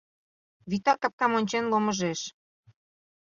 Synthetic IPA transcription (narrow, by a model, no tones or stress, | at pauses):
βit̪ɑkɑ̆p̚kɑmonʲt͡ɕenloməʒeʃ